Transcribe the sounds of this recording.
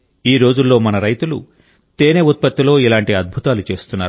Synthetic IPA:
iːɾo̞ːd͡ʒulːo̞ːmɐnɐɾɐjt̪ulṵ | t̪eːneut̪̚pɐt̪ːilo̞ːilaːɳʈiɐd̪̚bʱut̪aːlut͡ʃe̞ːst̪unːaːɾu

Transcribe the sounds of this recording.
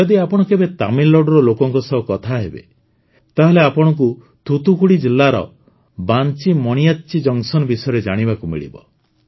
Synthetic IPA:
ɔd̪iapɔɽ̃ɔkebet̪amilːɔɖɔɾɔlokɔŋkɔsɔɦukɔt̪ʰaɦebḛ | t̪aɦeleapɔɽ̃ɔk̬u | t̪ʰut̪ukʰuɽid͡ʒilːaɾɔ̰ | bant͡ʃimɔɽ̃ijat̪t͡ʃid͡ʒɔŋsɔnɔbisɔjɔɾed͡ʒaɽ̃ibakumḭɭḭbɔ̰

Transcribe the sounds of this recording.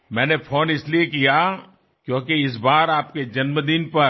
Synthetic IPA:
mɛ̃ːnepʰoːnɪsliekija | kjõːkeɪs̬baːɾaːp̚ked͡ʒɐnməd̪inpɐɾ

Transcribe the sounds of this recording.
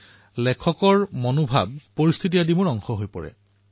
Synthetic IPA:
lɛkʰɔkɔɹmonobʱa̰b̚pːoɹist̪ʰitijadimʊɹɔŋxɔɦojpɔ̰ɹɛ̰

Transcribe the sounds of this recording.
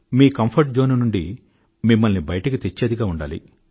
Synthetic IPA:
miːkɐmpʰɐɾʈ̚d͡ʒoːnunuɳɖi | mimːɐlnibɐjɐʈɐkit̪et͡ʃːeːd̪iɡaːuɳɖa̰ːlḭ

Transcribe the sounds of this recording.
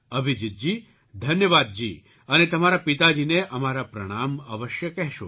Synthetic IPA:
ɐbʱid͡ʒit̪̚d͡ʒiː | d̪ʱɐnjəʋaːd̪̚d͡ʒiː | ɐnet̪ɐmaːɾapit̪ad͡ʒiːneʔɐmaːɾapɾɐɽ̃aːmɐʋəʃjəkɛɦʃo̰

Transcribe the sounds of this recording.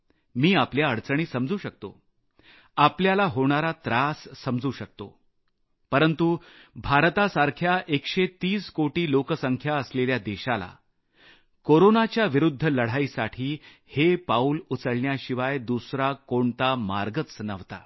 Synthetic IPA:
miːapljaəɽt͡səɳ̃iːsəmd͡zuːɕək̚t̪o̰ | apljalaɦoɳ̃aɾat̪ɾasːəmd͡zuːɕək̚t̪o̰ | pəɾənt̪u | bʱaɾt̪asaɾkʰjaʔekɕet̪iːskoʈiːlokəsəŋkʰjaəsleljad̪eɕala̰ | koɾonat͡ɕjaʋiɾud̪ʱːələɽ̤aiːsaʈʰiː | hepauːlut͡səɽɳjaɕiʋajd̪usɾakoɳt̪ama̰ɾɡət͡snəʋt̪a̰

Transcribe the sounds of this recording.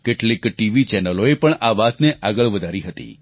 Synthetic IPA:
keʈlikʈiʋit͡ʃɛnəloepəɳaʋat̪neʔaɡəɭʋəd̪ʱaɾiɦət̪ḭ

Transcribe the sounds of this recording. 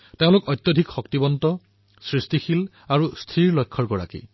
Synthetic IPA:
teʊ̃lʊkɔjt̪jodʱikxɔktibɔntɔ | sɹistixil | aɹust̪ʰɹiɹlɔjkʰːɔɹɡɔɹa̰kḭ

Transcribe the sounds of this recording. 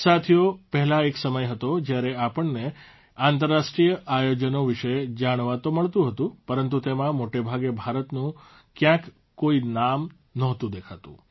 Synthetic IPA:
sat̪ʰijopəɦlãeksəməjɦət̪od͡ʒjaɾeapəɳne | ãnt̪əɾːaʃʈɾijəajod͡ʒənoʋiʃəd͡ʒaɽ̃ʋat̪oməɭt̪ũɦət̪ũpəɾənt̪̬ut̪emãmoʈebʱaɡebʱaɾət̪nũ | kjãk | koinam | nɔɦt̪ũd̪ekʰat̪ṵ̃

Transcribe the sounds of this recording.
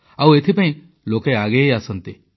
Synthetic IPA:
awet̪ʰipãj̃ | lokeaɡeasɔnt̪i

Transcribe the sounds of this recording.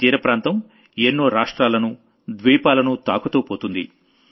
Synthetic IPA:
t̪iːɾɐpɾaːnt̪ɐm | enːoːɾaːʂʈɾaːlɐnu | d̪ʋiːpaːlɐnut̪aːkɐt̪oːpoːt̪und̪ḭ

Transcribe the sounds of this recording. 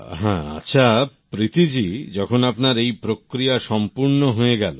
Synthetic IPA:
ɦɛ̰̃a̰tːɕʰapɾit̪id͡ʑid͡ʑɔkʰonapnaɾejpɾokɾijaʃɔmpuɾnoɦoeɡɛlo

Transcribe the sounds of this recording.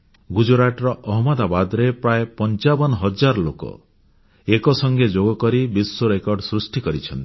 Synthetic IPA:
ɡud͡ʒoɾaʈɔɾɔʔɔɦɔmɔd̪abad̪ɾepɾaepɔnt͡ʃabɔnɔɦɔd͡ʒaɾɔlokɔ̰ | ekɔsɔŋɡed͡ʒoɡɔkɔɾibisːoɾekɔɾɖɔsɾusʈikɔɾit͡ʃʰɔnt̪i̥

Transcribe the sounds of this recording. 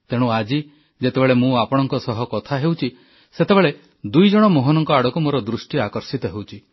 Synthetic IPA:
t̪eɽ̃ũad͡ʒi | d͡ʒet̪ebeɭemũapɔɽ̃ɔŋkɔsɔɦɔkɔt̪ʰaɦewt͡ʃʰi | set̪ebeɭe | d̪ujd͡ʒɔɽ̃ɔmoɦɔnɔŋkɔaɽɔkumoɾɔd̪ɾusʈiakɔɾsit̪ɔɦewt͡ʃʰi

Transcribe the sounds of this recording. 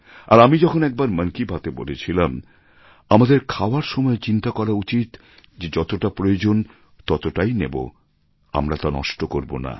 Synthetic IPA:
a̰ɾamid͡ʑɔkʰonɛk̚baɾməŋkibʱat̪ebolet͡ɕʰilam | amad̪eɾkʰaoaɾʃɔmɔet͡ɕint̪akɔɾaut͡ɕit̪ | d͡ʑed͡ʑɔt̪oʈapɾojod͡ʑon | t̪ɔt̪oʈajnebo̰ | a̰mɾat̪anɔ̰ʃʈokoɾbo̰na̰

